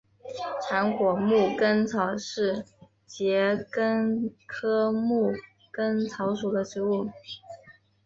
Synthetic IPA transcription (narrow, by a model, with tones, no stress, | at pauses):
ʈ͡ʂʰa˧˥nkwɔ˨˩mu˥˩kə˥nt͡sʰɑ˨˩ʊʂɻ̩˥˩ | t͡ɕjɛ˧˥kə˥nkʰɤ˥mu˥˩ | kə˥nt͡sʰɑ˧˥ʊʂu˨˩d̪ə˦ʈ͡ʂɻ̩˧˥u˥˩